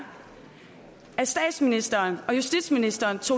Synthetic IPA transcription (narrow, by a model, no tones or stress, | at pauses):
æsd̥ɛ̰ːd̥sminisd̥ɐːnɒ̽jusd̥id̥sminisd̥ɐːnt͡sʰo̝̰